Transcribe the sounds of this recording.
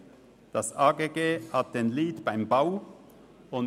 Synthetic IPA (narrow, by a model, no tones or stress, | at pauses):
d̥ɑsaːɡeːɡeːhɑt̚d̥enliːtb̥aɪmbaʊ | ʊn